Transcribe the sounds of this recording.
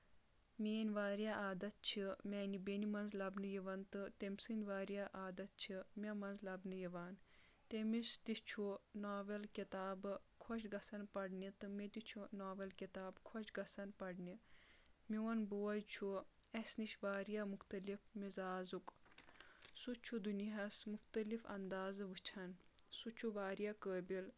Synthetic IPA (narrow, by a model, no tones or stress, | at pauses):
meːnʋaːɾjaːʔaːd̪ɐt̪̚t͡ʃʰimʲanibenimɐnzlɐbnɨjiʋɐnt̪ɨt̪emʲsɨnʲʋaːɾjaːʔaːd̪ɐt̪̚t͡ʃʰimʲɐmɐnzlɐbnɨjiʋaːn | t̪emist̪ist͡ʃʰunaːʋɐlkit̪aːbkʰoʃɡɐsɐnpɐɽnit̪ɨmed̪it͡ʃʰunaːʋɐlkit̪aːbkʰot͡ʃɡɐsɐnpɐɽni | miwɐnboːɐjt͡ʃʰuesniʃʋaːɾijamuxt̪ɐlifmizaːzuk | sut͡ʃʰud̪uniɦɐsmuxt̪ɐlifɐ̰nd̪aːzʋɨt͡ʃʰɐnsut͡ʃʰuʋaːɾijakəːbil